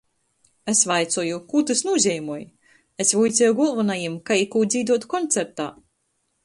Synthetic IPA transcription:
esvajt̪sɔjukut̪ɨsnuɔzʲɛjmuɔj | esvujt̪sʲɛjuɡulˠvunajimkajikuːd̪ziːd̪uɔt̪kɔnt̪seɾt̪a̰ː

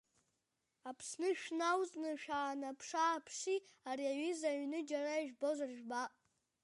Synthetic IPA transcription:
apʰsnɨʃᶣnawzʼnɨʃᶣaːnapʰʂaːpʰʂiariaɥizaɥnɨd͡ʒaraiʒᶣbozʷarʒᶣbaʔʼ

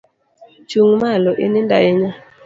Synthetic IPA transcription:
t͡ʃuŋmalɔʔɪ̰nɪndajɪɲa

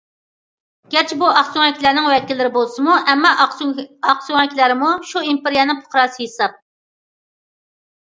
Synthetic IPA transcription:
ɡ̥ʲɛɾt͡ʃʰibuɑqsoŋɛkʲilæɾnɪŋwɛkʲɪlːɪɾɪbolˠsɨmuʔɛmːɑ | ɑqsuŋɛkʲʰlæɾɪmuʃuimpeɾijɛnɪŋpʰo̥qɾɑːsɨhesɑp̚

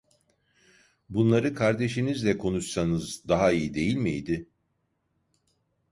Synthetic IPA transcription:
bunlˠaɾɯkʰaɾd̪e̞ʃinizlʲɛkʰo̞nuʃsanɯzd̪aɦaijid̪e̞jilʲmḭjd̪ɪ

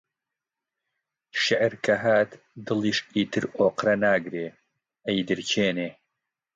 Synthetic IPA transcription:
ʃɪʕɾkʰɐɦaːt̪ | d̪ɨlˠiːʃiːt̪ʰɨɾoːqɾɐnaːɡɾeː | ɐjd̪ɨɾt͡ʃʰeːneː

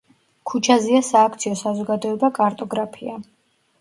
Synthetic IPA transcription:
kʰut͡ʃʰaziasaːk̚ʰt̪sʰiɔsazɔɡad̪ɔɛbakʼaɾt̪ʼɔɡɾapʰia

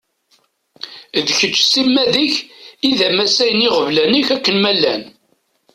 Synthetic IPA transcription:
ðçət͡ʃːsimːæðəçiðæmæsæjəniʁəvlæniçækːənmælːæn

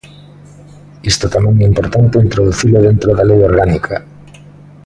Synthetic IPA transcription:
ist̪ot̪amɛ̃ŋɛimpoɾt̪ant̪eint̪ɾoðuθilʊðent̪ɾoðalejoɾɣanikʰa

